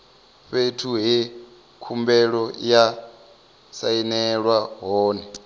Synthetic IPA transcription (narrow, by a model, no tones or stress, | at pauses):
ɸetʰuɦɛ | kʰumbɛɺɔja | sainɛɺwaɦɔːnɛ